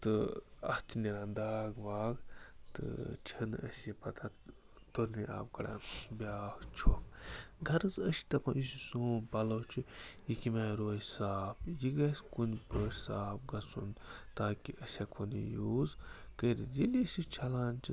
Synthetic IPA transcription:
t̪ɨɐ̰st̪ʰiniɾãːnd̪aːɡʋaːɡt̪ɨ̰t͡ʃʰɐnɐ̰sʲipɐt̪ʰa | t̪oɾniʔa̰ːpkɐɽã̰bʲaːkt͡ʃʰoːkɡʱɐɾɨzɐsi̥t̪ɐpɐ̃njus̬usoːmpɐloːt͡ʃʰujikimaɾoːjsaːpjiɡɐskunpəːʃʲsaːp̚ɡɐsunt̪aːkiʔɐsʲakʰonḭjuːzkəɾid͡ʒilisit͡ʃʰɐlaːnt͡ʃʰi

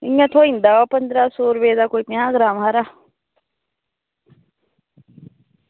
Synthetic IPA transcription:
ijãt̪ʰoːĩnd̪aopənd̪ɾasoːɾbeːd̪akoːipĩãːɡɾaːmɦaɾa

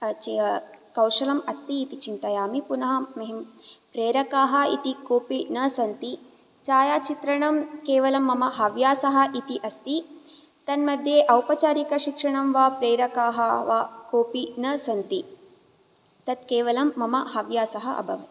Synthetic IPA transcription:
t͡ʃkɐwʃɐlɐmɐst̪iːt̪it͡ʃint̪ɐjaːmipunɐɦɐːɐɦimpɾeːɾɐkaːɦɐ̆it̪ikoːpinɐsɐnt̪i | t͡ʃaːjaːt͡ʃit̪ɾɐɳɐmkeːʋɐlɐmːɐmɐɦɐʋjaːsɐɦɐ̆ʔit̪iʔɐst̪i | t̪ɐnmɐd̪ʱjeːʔɐwpɐt͡ʃaːɾikɐʃikʂɐɳɐmʋaːpɾeːɾɐkaːɦɐʋakoːpinɐsɐnt̪i | t̪ɐt̪̚keːʋɐlɐmːɐmɐhɐʋjaːsɐɦɐʔɐ̰bʱɐ̰ʋɐ

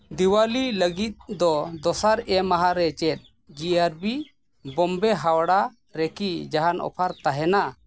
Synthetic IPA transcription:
d̪iwaliləɡit̪̚d̪ɔd̪ɔsaɾɛmaɦaɾɛt͡ʃɛt̪̚ | d͡ʒiaɾbi | bɔmbɛɦawɽa | ɾɛkid͡ʒaɦanʔɔ̰pʰaɾt̪aɦɛna

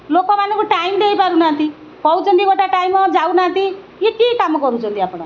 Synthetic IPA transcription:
lokɔmanukoʈajmd̪eipaɾunant̪i | kʌwt͡sʌnd̪iɡoʈaʈajmːʌd͡zawnaːnt̪i | jekikamɡɔɾut͡sʰʌ̃nt̪iapɽ̃ɔ

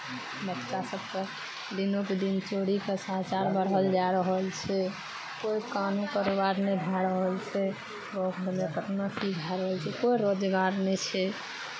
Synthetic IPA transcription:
bəkt͡ʃasəb̚kə̃ | d̪inoked̪int͡ʃoɽikesəɦt͡ʃaɾbəɾɦəld͡ʒaɾəɦəlt͡ʃʰɛ | koikanũkəɾobaɾnɛbʱaɾəɦəlt͡ʃʰɛ | ɾokʰɾmekət̪nakʰibʱaɾəɦəlt͡ʃʰɛkoiɾod͡ʒɡaɾnɛt͡ʃʰɛ

